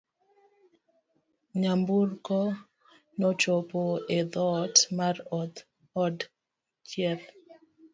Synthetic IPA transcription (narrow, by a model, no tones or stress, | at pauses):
ɲamburkɔ | nɔt͡ʃopoed̪ɔtmarɔd̪ | ɔd | t͡ʃjɛt̪